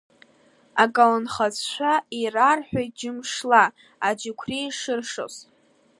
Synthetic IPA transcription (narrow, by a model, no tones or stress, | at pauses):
akʼalanχat͡sʃʷairarħʷᶣaj̚d͡ʒɪmʂla | ad͡ʒɪkʷʰrijʂɨrʂo̰sʼ